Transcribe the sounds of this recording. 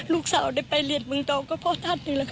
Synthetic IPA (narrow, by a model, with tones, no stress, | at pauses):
luː˧˩k̚saː˨˦wda˧˩jpa˧jli˧˩ət̪̚mɯ˧˨ŋt̪ɔː˧˩kɔː˧˩pʰɔ˧˩t̪ʰa˧˥˩t̪̚nɯ˧˦la˧˩kʰ